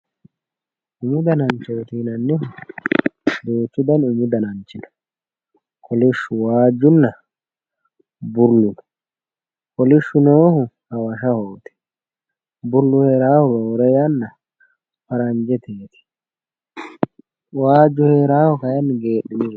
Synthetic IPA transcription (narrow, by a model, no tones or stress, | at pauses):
ʔʊmʊd̪ɐnɐnt͡ʃːoɔt̪iːnɐnːɪɦʊ | d̪oːt͡ʃːʊd̪ɐnʊmʊd̪ɐnɐnt͡ʃːɪnɐ | kʰɔlɪʃːʊwaːd͡ʒːʊnːɐ | bʊɾlːʊn | kɔlɪʃːʊnohʊhɐwɐʃɐhoːt̪ɛ̥ | bʊɾlːʊhe̞ːɾaːhɔɡɐwɔɾɛjanːɐ | fɐɾɐnd͡ʒɛt̪eːt̪ɪ̥ | waːd͡ʒːʊheːɾaːhɔkɐjɐnːɪɡe̞ːɗːɪnɪ